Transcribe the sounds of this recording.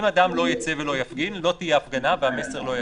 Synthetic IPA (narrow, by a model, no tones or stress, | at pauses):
mad̪amlo̞jat͡se̞velo̞jafɡinlo̞t̪ijeafɡanavehame̞se̞ʁlo̞ja